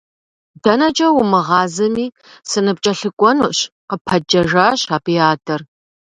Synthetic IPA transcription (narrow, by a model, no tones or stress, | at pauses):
dɐnɐt͡ʃʼɐwʊmɨʁɑːzɨmiː | sɨnɨpt͡ʃʼɐɬɨkʷʼɔnṵʔɕqəpʰɐd͡ʒɐʒaːɕaːbiaːdʰɐr